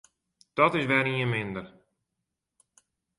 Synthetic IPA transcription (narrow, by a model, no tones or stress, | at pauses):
d̪̥ɔt̪ɪsʋɛːrniənmɪnd̪ər